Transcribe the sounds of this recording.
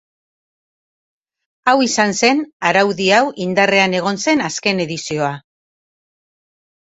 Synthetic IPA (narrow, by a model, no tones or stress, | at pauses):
awisanse̞naɾawðiawʔind̪are̞ane̞ɣ̞o̞nse̞naske̞ne̞ðisio̞a